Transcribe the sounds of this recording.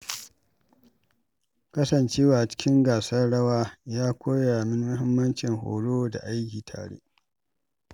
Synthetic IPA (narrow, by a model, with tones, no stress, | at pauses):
kɐ˦sɐ˨nt͡ʃeː˦waː˨t͡ʃɪ̥˦kʲɪ˦ŋɡaː˨sɐ˦rɽɐ˦waː˦jaː˦kʷoː˦jaː˨mɪ˦n˦mʊ˦hɪ˦mːɐ˦nt͡ʃɪ˨ŋho̰ː˨ɽoː˦da̰˨ʔa˦jkʲiː˨tʰa̰ː˨ɽḛː˦